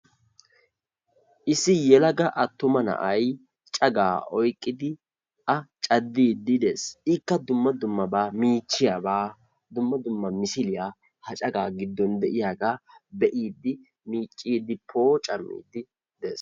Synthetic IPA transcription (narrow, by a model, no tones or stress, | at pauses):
ʔɪsɪjɛlɐɡɐʔɐt̪ːʊmɐnɐ̰ʔɐj | t͡ʃʼɐɡa̰ːɔjkʼːɪd̪ɪ | ʔɐt͡ʃʼɐd̪ːiːd̪ɪd̪e̞ːsɪkːɐd̪ʊmːɐd̪ʊmːɐbaːmiːt͡ʃːɪjaːbaː | d̪ʊmːɐd̪ʊmːɐmɪsɪlɪjaː | hɐt͡ʃʼɐɡaːɡɪd̪ːɔnd̪ɛʔɪjaːɡaːbɛʔiːd̪ɪ | miːt͡ʃʼːiːd̪ɪpʰo̞ːt͡ʃʼɐmːḭːd̪ɪ | d̪eːs